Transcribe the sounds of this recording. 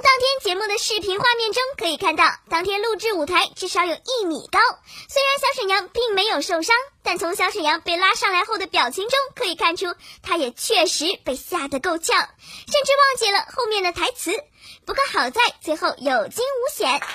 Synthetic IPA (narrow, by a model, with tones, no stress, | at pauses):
t̪ɑ˥ŋt̪ʰjɛ˥nt͡ɕjɛ˧˥mu˥˩d̪ə˩ʂɻ̩˥˩pʰi˧˥nxwa˥˧mjɛ˥˩nʈ͡ʂʊ˥ŋkʰɤ˧˥i˨˩kʰa˥˧nt̪ɑ˥˩ʊt̪ɑ˥ŋt̪ʰjɛ˥nlu˥˧ʈ͡ʂɻ̩˥˩u˨˩t̪ʰa˧˥ɪʈ͡ʂɻ̩˥˩ʂɑ˧˥ʊjo˨˩ʊʔi˥˩mḭ˨˩kɑ˥ʊswe˥ɪɻa˧˥nɕjɑ˧˥ʊʂə˨˩njɑ˧˥ŋpi˥˩ŋme˧˥ɪjo˨˩ʊʂo˥˩ʊʂɑ˥ŋt̪a˥˩nt͡sʰʊ˧˥ŋɕjɑ˧˥ʂə˨˩njɑ˧˥ŋpe˥˩ɪla˥ʂɑ˥˩ŋla˧˥ɪxo˥˩ʊd̪ə˩pjɑ˨˩ʊt͡ɕʰi˧˥ŋʈ͡ʂʊ˥ŋkʰɤ˧˥i˨˩kʰa˥˩nʈ͡ʂʰu˥t̪ʰa˥jɛ˨˩t͡ɕʰɥɛ˥˩ʂɻ̩˧˥pe˥˧ɪɕja˥˩d̪ə˩ko˥˧ʊt͡ɕʰjɑ˥˩ʊʂə˥˧nʈ͡ʂɻ̩˥˧wɑ˥˧ŋt͡ɕjɛ˥˩lə˩xo˥˧ʊmjɛ˥˩nd̪ə˩t̪ʰa˧˥ɪt͡sʰɹ̩˧˥ | pu˧˥ko˥˩xɑ˨˩ʊt͡sa˥˧˩ɪt͡swe˥˧ɪxo˥˩ʊjo˨˩ʊt͡ɕi˥ŋu˧˥ɕjɛ˨˩˦n